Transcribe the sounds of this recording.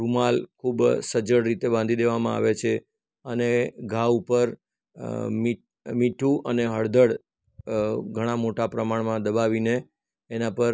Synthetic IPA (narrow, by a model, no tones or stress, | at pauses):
ɾumalkʰubsəd͡ʒəɽɾit̪ebãnd̪ʱid̪eʋamãa̰ʋet͡ʃʰe | əneɡʱaʋupəɾ | mi | miʈʰũʔəneɦəɽd̪əɽ | ɡʱəɽ̃amoʈapɾəmaɽmãd̪əbaʋineː | nãpəɾ